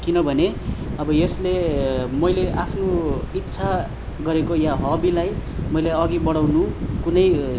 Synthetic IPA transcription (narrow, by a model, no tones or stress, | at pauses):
kinʌbʱʌneʌbʌjʌslemʌjleʔapʰnoit̪ːsʰa | ɡʌɾekojaɦʌbilajmʌjleʌɡibʌɽawnukunʌj